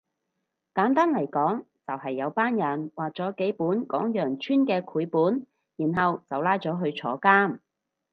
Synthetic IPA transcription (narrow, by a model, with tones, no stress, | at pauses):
kaː˨˥nt̪aː˥nlɐ˨˩jkɔː˨˥ŋ | t͡sɐ˨whɐ˨jːɐ˨˧wpaː˥njɐ˨˩nwaː˨k̚t͡sɔː˨˥ke˨˥jpuː˨˥nkɔː˨˥ŋjœː˨˩ŋt͡ʃʰyː˥nkɛː˧kʰuː˨˧˥jpuː˨˥n | jiː˨˩nɦɐ˨wt͡sɐ˨wlaː˥jt͡sɔː˨˥ɦɵ˧ɥt͡sʰɔː˨˥kaː˥m